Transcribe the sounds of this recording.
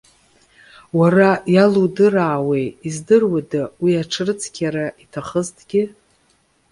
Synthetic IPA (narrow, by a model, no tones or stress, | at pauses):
warajaludɨraːwejizdɨrwadawiaʈ͡ʂʰrɨt͡sʰkʲʰaɾaʔitʰaχəztʰʼɡ̥ʲɪ